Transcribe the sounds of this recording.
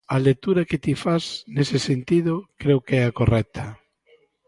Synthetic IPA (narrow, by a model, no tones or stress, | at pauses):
alek̚t̪uɾaket̪ifasnesesent̪iðokɾewkɛakorɛk̚t̪ʰɐ